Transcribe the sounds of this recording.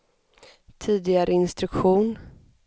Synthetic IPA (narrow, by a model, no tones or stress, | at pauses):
t̪ʰiːd̪ɪɡaɾʔəɪnst̪ɾɵkɧuːn